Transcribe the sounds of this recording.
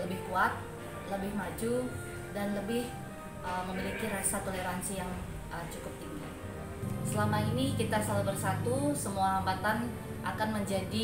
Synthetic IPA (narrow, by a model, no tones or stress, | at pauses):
ləbɪhkuat̪̚ | ləbɪhmad͡ʒu | danləbɪh | ʔəməmilikiɾasat̪oleɾansijaŋ | ʔət͡ʃukʊp̚t̪iŋɡa̰ | səlamainikit̪asalabərsat̪usəmuaɦambat̪an | ʔa̰kanməɲd͡ʒadi